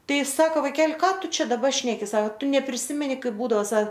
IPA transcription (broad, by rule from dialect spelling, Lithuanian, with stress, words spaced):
ˈtɐɪ ˈsɑːkoː ʋɐɪˈkʲɛlʲ ˈkɑː ˈtʊ ˈt͡ʃʲɛ dɐˈbɐ ˈʃʲnʲæːkʲɪ sɐk ˈtʊ nʲɛpʲrʲɪˈsʲɪmʲɛnʲɪ ˈkɐɪp ˈbuːdɐoː ˈsɐ